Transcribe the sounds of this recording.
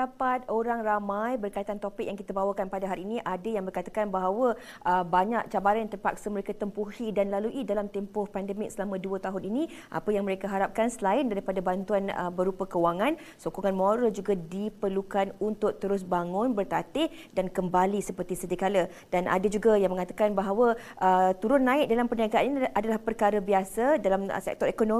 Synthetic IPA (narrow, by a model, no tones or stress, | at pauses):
dapat̪̚oɾaŋramãjbərkait̪ant̪opɪk̚jaŋkit̪abawakanpadaɦaɾiːniʔadajaŋbərkat̪akanbaɦawə | ʔəbaɲak̚t͡ʃabaɾant̪ərpa̰k̚səməɾekat̪əmpuhidanlaluʔidalamt̪ɛmpʊhpandəmɪk̚səlamãduət̪aɦʊnini | ʔa̰pəjaŋməɾekaɦaɾap̚kansəlaɪndaɾipadabant̪uanə̰bəɾupakəwaŋãn | sokuŋanmoɾəld͡ʒuɡadipərlukanunt̪ʊk̚t̪əɾʊs̬baŋʊnbərt̪at̪ɪh | dankəmbalisəpərt̪isət̪ikalə | danʔa̰dad͡ʒuɡajaŋməŋat̪akanbaɦawa | ʔət̪uɾʊnːãɪʔ̚dalampərniaɡaʔaninʔadalahpərkaɾəbiasadalam̰sɛ̰k̚t̪ɔɾekono